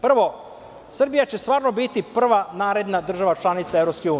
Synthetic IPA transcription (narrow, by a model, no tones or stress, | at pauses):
pr̩ʋo̞ | sr̩bijat͡ɕe̞st̪ʋaːɾno̞bit̪ipr̩ʋanaːɾe̞d̪nad̪r̩ʒaʋat͡ʃlˠanit̪saevɾopskeuː